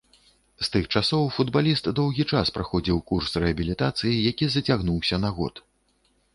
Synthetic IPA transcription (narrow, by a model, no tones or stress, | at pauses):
st̪ɨxt͡ʂasɔwfud̪balʲist̪d̪ɔwɣʲit͡ʂaspɾaxɔd͡zʲiwkursrɛɐbʲilʲit̪at̪sɨjijakʲizɐt͡sʲaɣnuwsʲɐnɐɣɔ̰t̪